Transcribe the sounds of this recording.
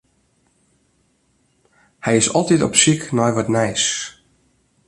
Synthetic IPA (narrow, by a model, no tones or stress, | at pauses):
hɛjɪsɔlˠtitɔ̰psiknɔjʋɔtnɛjs